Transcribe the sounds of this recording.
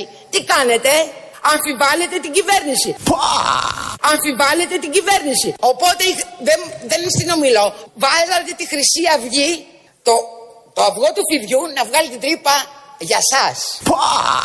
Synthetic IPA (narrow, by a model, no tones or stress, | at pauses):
t̪ikɐne̞t̪e̞ | ɐɱfiɱvɐle̞t̪e̞t̪iɲɟive̞ɾnisipo | ɐɱfiɱvɐle̞t̪e̞t̪iɟive̞ɾnisio̞po̞t̪e̞iðenðe̞nst̪ino̞milo̞vɐsɐt̪it̪ixɾisiɐvʝi | t̪o | t̪oɐvɣo̞t̪ufiðʝunɐvɣɐlet̪et̪ɾipɐʝɐsɐspo